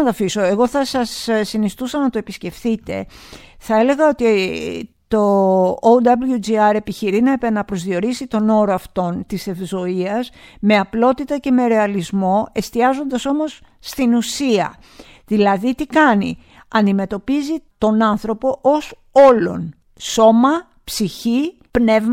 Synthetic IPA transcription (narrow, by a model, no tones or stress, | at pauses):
ɐt̪ɐfiso̞e̞ɣo̞θɐsɐsːinist̪usɐnɐt̪o̞episce̞fθit̪e̞̰θɐe̞le̞ɣɐo̞t̪i | t̪o̞owd̪ɐbljud͡ʒiɐɾe̞piçiɾinɐepenɐpɾo̞zðio̞ɾisit̪o̞no̞ɾoɐft̪o̞nt̪isefzo̞iɐsme̞ɐplo̞t̪it̪ɐce̞me̞ɾe̞ɐlizmo̞e̞st̪iɐzo̞nd̪ɐso̞mo̞sː | t̪inusiɐ̰ | ðilɐðit̪ikɐnḭ | ɐnd̪ime̞t̪o̞pizit̪o̞nɐnθɾo̞po̞ʔos | o̞lo̞̰n | so̞mɐ | psiçi | pne̞vm